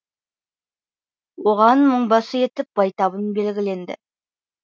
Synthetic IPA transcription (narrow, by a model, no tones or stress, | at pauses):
woʁɑnməɴbɑsəje̞t̪ɪp̚b̥ɑjt̪ɑβənbe̞lɡʲɪle̞nd̪ɪ̰